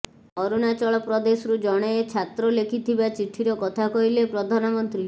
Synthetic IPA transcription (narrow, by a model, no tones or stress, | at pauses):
ɔɾunat͡ʃɔɭɔpɾɔd̪esɔɾud͡ʒɔɽ̃eet͡ʃʰat̪ɾɔlekʰit̪ʰibat͡ʃiʈʰiɾɔkɔt̪ʰakɔɦilepɾɔd̪ʱanɔmɔnt̪ɾi